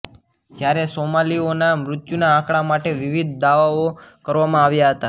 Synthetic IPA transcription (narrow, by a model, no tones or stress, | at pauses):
d͡ʒjaɾesomalionamɾʊt̪junãːkɭamaʈeʋɪʋid̪̚ʱd̪aʋaokəɾʋamãaʋjaɦət̪a